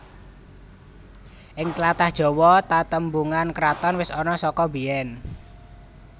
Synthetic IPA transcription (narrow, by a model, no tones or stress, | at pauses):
ʔɪŋt̪lat̪ahd̥ʒ̥ɔ̤wɔt̪at̪əmbuŋankɾat̪ɔnwɪsɔnɔsɔkɔbiɛn